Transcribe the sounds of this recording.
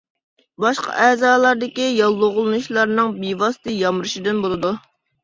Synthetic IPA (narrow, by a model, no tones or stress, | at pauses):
bɑʃqɑ̰ʔɛːzɑːlˠɑɾd̪ɪkʲijɑlˠːoʁʊlˠɨnuʃlˠɑɾnɨŋbivɑsɨ̥t̪ɨjɑmɾɨʃid̪ɨnbolˠɨd̪u